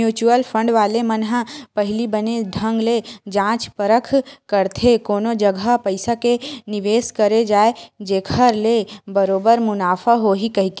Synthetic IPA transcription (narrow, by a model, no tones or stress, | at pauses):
juːt͡ʃuəlpʰə̃ɳɖʋaːlemənɦapɐɦɪlibəned̪ʱə̃ŋɡled͡ʒãːt͡ʃpəɾəkʰkəɾt̪ʰekoːnod͡ʒəɡʱapəɪsakenɪʋeːskɐɾed͡ʒaːed͡ʒeːkʰəɾlebəɾoːbəɾmʊnaːfʰaɦoːɦikɐɦikː